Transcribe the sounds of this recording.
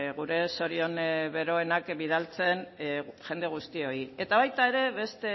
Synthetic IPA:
ɣuɾe̞so̞ɾio̞nβe̞ɾo̞e̞nakbið̞alt͡se̞nʝe̞nd̪e̞ɣ̞ust̪io̞ie̞t̪aβajt̪ae̞ɾe̞βe̞st̪e̞

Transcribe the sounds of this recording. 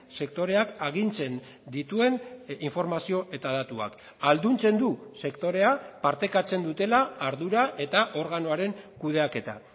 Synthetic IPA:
se̞k̚t̪o̞ɾe̞akaɣ̞int͡se̞n | d̪it̪ue̞niɱfo̞ɾmasio̞ʔe̞t̪aðat̪ua̰k | ald̪unt͡se̞nd̪use̞kt̪o̞ɾe̞apaɾt̪e̞kat͡se̞nd̪ut̪e̞laːɾðuɾaʔe̞t̪aʔo̞ɾɣano̞aɾe̞ŋkuð̞e̞ake̞t̪a̰

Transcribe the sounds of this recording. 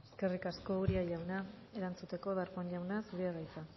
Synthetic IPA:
eske̞rikasko̞uɾiaʎawna | e̞ɾant͡sut̪e̞ko̞ðaɾkoɲʎawnasuɾiaɣajt͡sa

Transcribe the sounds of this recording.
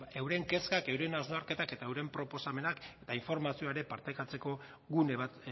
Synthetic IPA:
ewɾe̞ŋke̞skakewɾenaznaɾke̞t̪ake̞t̪aewɾempɾo̞po̞same̞nake̞t̪aiɱfo̞ɾmasioaeɾe̞paɾt̪ekat͡se̞ko̞ | ɣuneβa

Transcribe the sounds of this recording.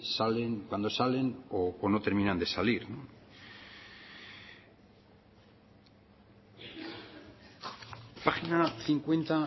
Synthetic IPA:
saleŋkwand̪o̞sale̞noːnot̪e̞ɾmĩnand̪e̞saliɾnõ | paxinaθiŋkwe̞nt̪a

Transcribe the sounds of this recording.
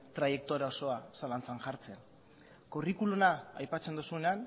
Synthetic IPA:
t̪ɾaje̞k̚t̪oɾao̞so̞asalant͡sanʝaɾt͡se̞n | korikulunaajpat͡send̪usuenean

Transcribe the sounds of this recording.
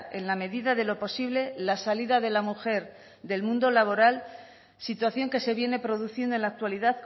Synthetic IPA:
e̞̰nlame̞ðiðaðe̞lo̞po̞siβle̞lasaliðaðe̞lamuxe̞ɾ | d̪e̞lmũnd̪o̞laβ̞o̞ɾal | sit̪waθjo̞ŋke̞se̞βje̞ne̞pɾo̞ðuθjend̪oe̞nlak̚t̪waliðaðk

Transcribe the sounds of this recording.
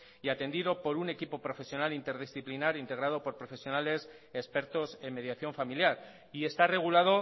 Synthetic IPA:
iat̪e̞nd̪iðo̞po̞ɾune̞kipo̞pɾo̞fe̞sjo̞nalint̪e̞ɾðisθiplinaɾint̪e̞ɣ̞ɾað̞o̞po̞ɾpɾo̞fe̞sjo̞nale̞s | espe̞ɾt̪o̞se̞me̞ðjaθjo̞ɱfamiljaɾ | ie̞st̪are̞ɣ̞ulað̞o̞

